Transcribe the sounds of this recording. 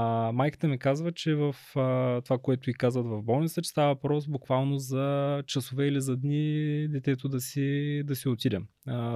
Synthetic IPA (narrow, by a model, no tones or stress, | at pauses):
majki̥t̪ɛmikazvət͡ʃɛvəft̪ovakoɛt̪ʊikazvət̪vɐvbɔlˠnit̪sət͡ʃɛ̥st̪avəvpɾɔsbʊkvalˠnozɐt͡ʃɐsʊvɛilizɐd̪nid̪ɛt̪ɛt̪ʊd̪ɐsid̪ɐsiot̪id̪ɛm